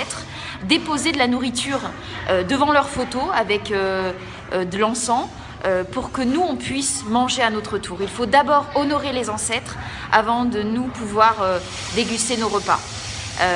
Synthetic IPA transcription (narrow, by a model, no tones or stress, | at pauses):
ɛt̪χ | d̪epozed̪əlanuʁit̪ʰyːʁ | ød̪əvɑ̃lœʁfot̪oavɛkø | d̪əlɑ̃sɑ̃ | øpuʁkənuɔ̃pɥismɑ̃ʒeanot̪χət̪ʰuːʁilfod̪abɔʁɔnɔʁelezɑ̃sɛt̪χ | a̰vɑ̃d̪ənupuvwaʁø | d̪eɡʲyst̪enoʁəpa̰ | ø